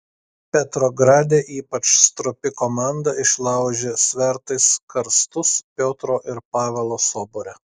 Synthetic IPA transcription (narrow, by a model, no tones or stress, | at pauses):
pʲɛt̪ɾoːɡɾɑːd̪ʲeːʔiːpɐt͡ʃst̪ɾʊpʲɪkoːmɑˑnd̪ɐɪʃlˠɑˑʊʒʲesʲʋʲɛɾt̪ɐɪskɐɾst̪ʊspʲoːt̪ɾoːʔɪɾpɑːʋʲɛlˠoːsoːboɾʲɛ